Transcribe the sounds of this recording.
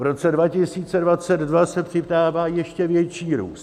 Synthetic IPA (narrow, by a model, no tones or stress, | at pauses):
vɾo̞t͡sɛdvacɪsiːt͡sɛdvat͡sɛd̪dvasɛpr̝̥ɪpdaːvaːjɛʃcɛvjɛt͡ʃiːɾṵːst